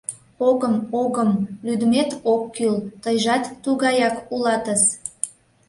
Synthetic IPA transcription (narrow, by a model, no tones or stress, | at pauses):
oɣəmoɣəmlyd̪əmet̪okːylt̪əjʒɑt̪ːuɣɑjɑkulɑt̪əs